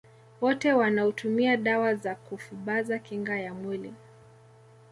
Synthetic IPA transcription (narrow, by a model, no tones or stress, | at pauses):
wɔtɛwanautʰumiaɗawazakufuɓazakiŋɡajamwili